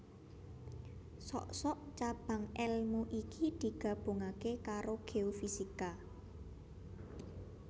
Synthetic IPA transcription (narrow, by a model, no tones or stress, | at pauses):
sɔ̰ʔsɔʔt͡ʃab̥ä̤ŋɛlmuʔikid̪̥i̤ɡ̥a̤b̥o̤ŋakekaɾoɡ̥eofisika